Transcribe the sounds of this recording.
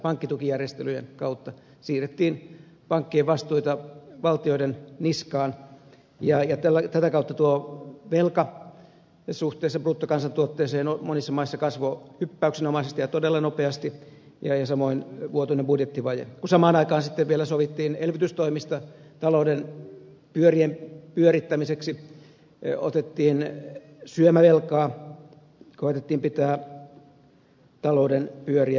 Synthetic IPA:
pɑŋkːit̪ukijærjest̪elyjḛnkɑut̪ːɑ | siːret̪ːiːn | pɑŋkːieʋɑst̪uit̪ɑʋɑlt̪ioidenniskɑːn | jɑjɑt̪ælːæt̪æt̪ækɑut̪ːɑt̪uoʋelkɑ | suht̪ˑeːsːɑpruːt̪ːokɑnsɑnt̪uot̪ːeːseːnomonisːɑmɑisːɑkɑsʋohypːæyksenomɑisest̪ijɑt̪odelːɑnopeɑst̪i | jɑjɑsɑmoinʋuot̪unembudjet̪ːiʋɑjḛkusɑmɑːnɑikɑːnsit̪ːeʋʋielæsoʋit̪ːiːnelʋit̪yst̪oimist̪ɑt̪ɑlouden | pyøriempyøɾit̪ːæmiseksi | o̰t̪et̪ːiːn | syømæʋelkɑː | koet̪et̪ːiːmpit̪æː | t̪ɑloudenpyøriæ

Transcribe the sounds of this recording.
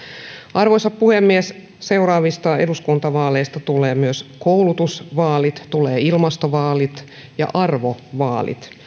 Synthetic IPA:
ʔɑrʋosɑppuhemːies | seurɑːʋist̪ɑeduskunt̪ɑʋɑːlejst̪ɑt̪uleːmyøskowlut̪usʋɑːlit̪t̪uleːilmɑst̪oʋɑːlit̪ | jɑ̰ʔɑrʋoʋɑ̰ːlḭt̪

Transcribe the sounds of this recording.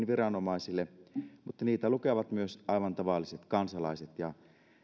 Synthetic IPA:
nʋirɑnomɑisilːemut̪ːɑniːt̪ælukeʋɑt̪myøsʔɑiʋɑnt̪ɑʋɑlːˑiset̪kɑnsɑlɑ̰iset̪jɑ

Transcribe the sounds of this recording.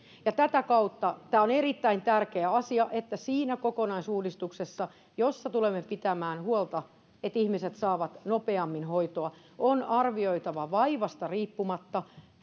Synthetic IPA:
jɑt̪æt̪ækɑut̪ːɑt̪æːonerit̪ːæint̪ærkeæɑsiɑʔet̪ːæsiːnækokonɑisuːdist̪uksesːɑ | josːɑt̪ulemːepit̪æmæːnhuolt̪ɑ | et̪ihmiset̪sɑːʋɑt̪nopeɑmːinhoit̪oɑ | onɑrʋioit̪ɑʋɑʋɑiʋɑst̪ɑriːpːumɑt̪ːɑ

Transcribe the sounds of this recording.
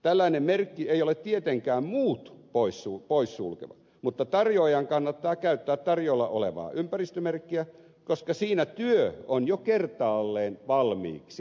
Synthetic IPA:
t̪ælːæinemmerkːieijolet̪t̪iet̪eŋkæːmmuːt̪poissupoissṵlkḛʋɑ̰ | mut̪ːɑt̪ɑrjoːjɑŋkɑnːɑt̪ːɑːkæyt̪ːæːt̪t̪ɑrjoilːɑʔo̰lḛʋɑ̰ːʔympærist̪ømerkːiæ | koskɑsiːnæt̪yøonjokert̪ɑːlːeːnʋɑlmḭːksi

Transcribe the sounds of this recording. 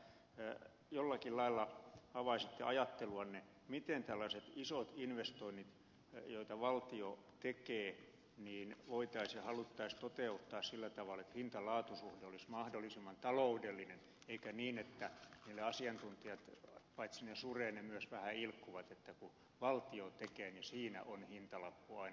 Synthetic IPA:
jolːɑkillɑilːɑɑʋɑisit̪ːeɑjɑt̪ːeluɑnne | mit̪ent̪ælːɑset̪isot̪inʋest̪oinːit̪ | joit̪ɑʋɑlt̪io | t̪ekeː | niːnʋoit̪ɑisjɑhɑlut̪ːɑist̪ot̪eut̪ːɑːssilːæt̪ɑʋɑlet̪hint̪ɑlɑːt̪usuhdeolismɑhdolːˑisimːɑnt̪ɑloudelːinen | eikæniːnet̪ːæniːlːeɑsiɑnt̪unt̪iɑt̪pɑit̪sinesureːnemyøsʋæhæilkːuʋɑt̪et̪ːæku | ʋɑlt̪iot̪ekeːnisiːnæ̰ʔonhint̪ɑlɑpːuɑin

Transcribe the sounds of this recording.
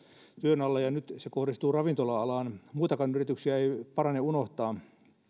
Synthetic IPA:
t̪yønɑlːɑjɑnyt̪sekohdist̪uːrɑʋint̪olɑɑlɑːnmuːt̪ɑkɑnyrit̪yksiæeipɑrɑneunoht̪ɑː

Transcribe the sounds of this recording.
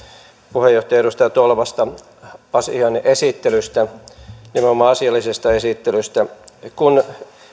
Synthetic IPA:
puhejoht̪ɑjɑeɾust̪ɑjɑt̪olʋɑst̪ɑ | ɑsiɑnʔesit̪ːelyst̪ænimomːɑɑsiɑlːisest̪ɑesit̪ːelyst̪ækun

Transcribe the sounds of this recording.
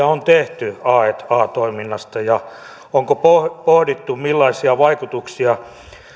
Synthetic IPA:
æont̪eht̪yɑːet̪ɑːt̪oiminːɑst̪ɑjɑ | oŋkopopohɾit̪ːumilːɑisiɑʋɑikut̪uksiɑ

